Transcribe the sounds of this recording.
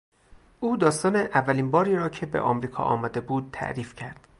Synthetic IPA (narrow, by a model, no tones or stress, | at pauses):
ʔuːd̪ɒːst̪ɒːneʔævːæliːnbɒːɾiːɾɒːcʰe̞bḛʔɒ̰mɾiːkʰɒ̰ʔɒ̰ːmɒːd̪e̞buːd̪̚t̪ʰæ̰ʔɾiːfcʰæɾd̪̥